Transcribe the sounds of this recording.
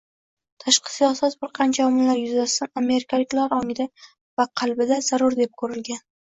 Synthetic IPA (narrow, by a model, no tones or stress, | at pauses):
t̪ʰaʃqʰɑ̥sijɒsat̪̚bɪɾqʰɑnt͡ʃʰaɒmɪlːaɾjʊzast̪aname̞ɾɪkʲʰalɪkʲlaɾɒŋɪd̪a | vaqʰɑlˠbɪd̪az̥aɾʊɾd̪e̞p̚kʰɵɾɪlɡʲan